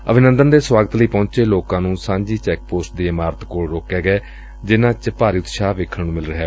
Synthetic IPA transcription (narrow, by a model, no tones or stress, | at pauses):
əbʱɪnənd̪ənd̪eːswaːɡət̪ləiːpɔ̃ːt͡ʃeːloːkãːnũːsãːɲd͡ʒiːt͡ʃɛːk̚poːsʈ̚d̪eːɪmaːɾət̪koːɽɾoːkeːɡɛː | d͡ʒɪnãːt͡ʃpaːɾiːʊt̪ʃaːʋeːkʰːəɳnũːmɪlɾəɦeː